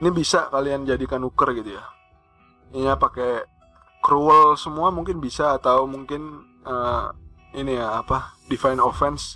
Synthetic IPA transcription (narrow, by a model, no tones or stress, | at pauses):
nibisakaliand͡ʒadikanukərɡit̪uja | iɲapake | kɾuəlsəmuamuŋkɪnbisaːt̪aumuŋkɪn | ə | inijaːpadifajnofɛns